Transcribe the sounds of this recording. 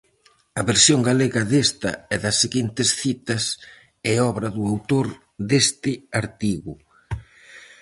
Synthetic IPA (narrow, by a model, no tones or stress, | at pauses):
ɐβeɾsjoŋɡaleɣɐðest̪ɐ̰ɛðɐsːeɣint̪ɪsθit̪ɐs | ɛɔβɾɐðʊawt̪oɾ | d̪est̪ɪaɾt̪iɣʊ